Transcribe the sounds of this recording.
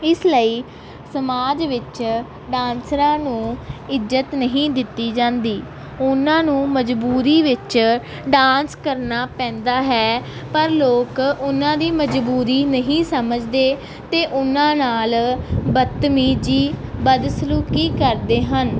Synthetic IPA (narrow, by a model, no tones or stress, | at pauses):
ɪsləiː | səmaːd͡ʒʋɪt͡ʃ | ɖãːnsɾãːnũːɪzət̪nəɦĩːd̪ɪt̪ːiːd͡ʒãːnd̪iː | ʊnãːnũːməd͡ʒbuːɾiːʋɪt͡ʃ | ɖãːnskəɾnaːpɛ̃ːnd̪aːɦɛːpəɾloːkʊnãːd̪iːməd͡ʒbuːɾiːnəɦĩːsəməd͡ʒd̪eː | t̪eːʔʊnãːnaːlbət̪ːmiːd͡ʒiːbəd̪sluːkiːkəɾd̪eːɦən